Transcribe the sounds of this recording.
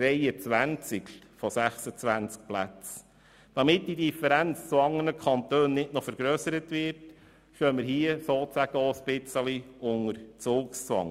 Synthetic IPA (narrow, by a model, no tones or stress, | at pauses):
ɾɛjət͡sʋænt͡sɪk | fɔsæχsət͡sʋænt͡sk̚plæ̰t͡s | d̥ɑmɪt̚d̥idifəɾænt͡st͡suɑŋənəkʰɑntøːnnɪtnofəɾɡ̥ɾœːsəɾətʋɪrt | ʃœːməɾɦiəsoːt͡sæɡ̥əɔəsb̥ɪt͡səliʊŋəɾt͡sʊːkst͡sʋɑ̰ŋ